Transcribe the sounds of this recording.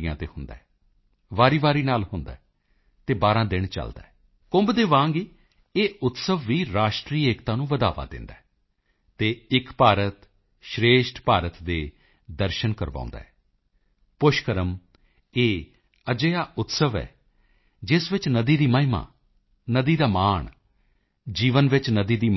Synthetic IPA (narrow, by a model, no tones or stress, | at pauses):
jãːt̪eːhʊnd̪a̰ːɛː | ʋaːɾiːʋaːɾiːnaːlɦʊnd̪a̰ːɛ | t̪eːbaːɾãːd̪ɪɳt͡ʃə̰ld̪a̰ːɛː | kʊ̃mbd̪eːʋãːŋɡiː | eːʊt̪səʋːiːɾaːʃʈɾiːeːkt̪ãːnũːʋəd̪a̰ːʋa̰ːd̪ɪ̰nd̪aːɛ | t̪eːɪkpaːɾət̪ | ʃɾeːʃʈpaːɾət̪d̪eː | d̪əɾʃənkəɾʋã̰ːnd̪a̰ːɦɛː | pʊʃkəɾəm | eː | əd͡ʒeːaːʔʊt̪səʋɛ̰ː | d͡ʒɪsʋɪt͡ʃnəd̪iːd̪iːməɦɪma̰ː | nəd̪iːd̪aːmaːɳ | d͡ʒiːʋənʋɪt͡ʃnəd̪iːd̪iː